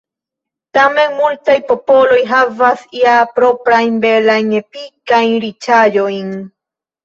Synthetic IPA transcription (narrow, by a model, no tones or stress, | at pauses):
t̪amenmult̪ajpo̞polojɦavasiapɾopɾajnbelajnepikajnɾit͡ʃaʎojn